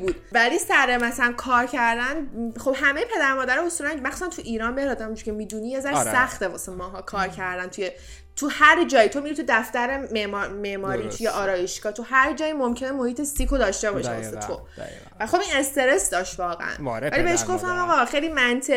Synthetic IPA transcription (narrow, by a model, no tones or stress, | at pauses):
buːd̪̥vælisæɾemæsænkʰɒːɾcʰæɾd̪ænχo̞bhæme̞jepʰe̞d̪æɾmɒːd̪æɾɒhosuːlænmæxsusænt̪ʰuʔiːɾɒːnbeɾɒd̪æmund͡ʒuɾcʰemiːd̪unijezæɾʃsæxt̪evɒ̰semɒːɦɒːkʰɒːɾcʰæɾd̪ænt̪ʰuje | t̪ʰuhæɾd͡ʒɒːjit̪ʰo̞miɾit̪ʰud̪æft̪æɾememɒmeʔmɒːɾiːt̪ʰujeʔɒːɾɒːjeʃɡɒːt̪ʰuhæɾd͡ʒɒːjimo̞mcʰenemo̞hiːt̪ʰesikʰod̪ɒːʃt̪e̞bɒ̰ːʃḭbɒ̰set̪ʰo̰ | væxo̞biːnest̪e̞ɾesd̪ɒːʃt̪vɒːɣḛʔæ̰nvælibeeʃɡo̞ft̪æmɒɣɒxejliːmænt̪ʰe